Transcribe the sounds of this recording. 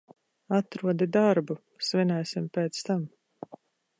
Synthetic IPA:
at̪ɾuɔd̪id̪aɾbu | svɛnæːsimpeːt̪st̪am

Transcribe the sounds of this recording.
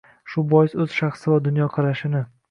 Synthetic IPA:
ʃʊbɒjɪsɵz̥ʃɑχsɪvad̪ʊnjɒqʰɑɾaʃɪnɪ

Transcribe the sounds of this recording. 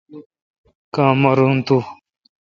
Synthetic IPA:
kãːmɐɾunt̪u

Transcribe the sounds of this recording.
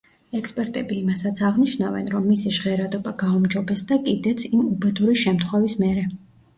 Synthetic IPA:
ɛkspʼɛɾt̪ʼɛbiːmasat̪sʰaʁniʃnavɛ̰nɾɔmːisiʃʁɛɾad̪ɔbaɡaumd͡ʒɔbɛsd̪akʼid̪ɛt̪sʰimubɛd̪uɾiʃɛmt̪ʰχwɛvismɛɾɛ

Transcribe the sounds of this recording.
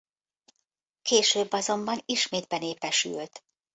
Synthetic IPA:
keːʃøːbːɒzo̞mbɒniʃmeːd̪̚bɛneːpɛʃy̰lt̪

